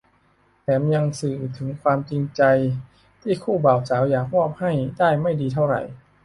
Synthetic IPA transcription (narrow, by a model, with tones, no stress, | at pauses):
pʰɛː˩˦mja˧ŋsɯː˨˩t̪ʰɯ˩˦ŋkʰwaː˧mt͡ɕi˧ŋt͡ɕa˧j | t̪ʰiː˥˩kʰuː˥˩baː˨˩wsaː˩˦wjaː˨˩k̚ɾɔː˥˩p̚ha˥˩jdaː˥˩jma˥˩jdiː˧t̪ʰa˥˩wɾa̰˨˩j